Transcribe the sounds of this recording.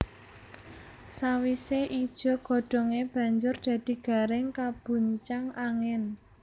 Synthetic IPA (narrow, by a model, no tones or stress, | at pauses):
sawiseʔid̥ʒ̥ɔ̤ɡ̥ɔ̤ɖ̥ɔ̤ŋeb̥ä̤ɲd͡ʒʊrd̪̥ä̤d̪̥i̤ɡ̥a̤ɾɪŋkab̥ṳɲt͡ʃaŋaŋɛn